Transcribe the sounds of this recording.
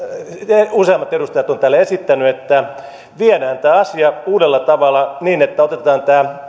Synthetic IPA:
useɑmːˑɑt̪edust̪ɑjɑt̪ont̪æːlːæesit̪ːænyet̪ːæ | ʋienæːnt̪æːɑsiɑuːdelːɑt̪ɑʋɑlːˑɑniːnet̪ːæot̪et̪ɑːnt̪æː

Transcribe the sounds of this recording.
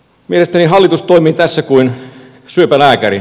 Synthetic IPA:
mielest̪æniɦɑlːit̪ust̪oimiːt̪æsːækuin | syøpælæːkæri

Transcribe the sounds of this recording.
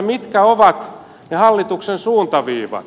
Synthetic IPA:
mit̪kæoʋɑt̪ | nɑhɑlːit̪uksensuːnt̪ɑʋiːʋɑ̰

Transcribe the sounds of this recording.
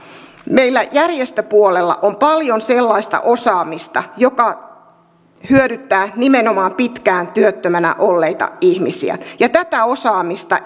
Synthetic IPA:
meilːæjærjest̪øpuolelːɑ̰ʔompɑljonselːɑist̪ɑ̰ʔosɑːmist̪ɑjokɑ | hyøɾyt̪ːæːnimenomɑːmpit̪kæːnt̪yøt̪ːømænæ̰ʔolːeit̪ɑ̰ihmisḭæ̰jɑt̪æt̪æo̞sɑːmist̪ɑ

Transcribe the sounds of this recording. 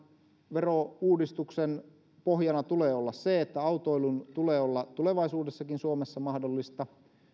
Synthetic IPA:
ʋerouːdist̪uksen | pohjɑnɑt̪uleːolːɑsseet̪ːæɑut̪oilunt̪uleːolːɑt̪uleʋɑisuːdesːɑkinsuomesːɑmɑhdolːist̪ɑ

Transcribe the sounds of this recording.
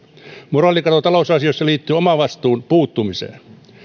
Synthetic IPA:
murɑˑlːˑikɑt̪ot̪ɑlousɑsiosːɑliːt̪ːyːomɑʋʋɑst̪uːnpuːt̪ːumisḛːn

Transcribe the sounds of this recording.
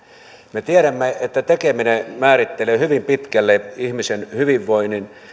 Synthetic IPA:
met̪iæɾæmːeet̪ːæt̪ekeminemæːrit̪ːeleːhyʋimpit̪kælːeihmisenhyʋiʋːoinin

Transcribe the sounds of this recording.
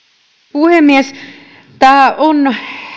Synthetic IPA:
puhemːies | t̪æːon

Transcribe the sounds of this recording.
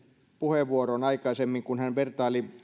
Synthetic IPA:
puheʋːuoronɑikɑisemːiŋkunhænʋert̪ɑːli

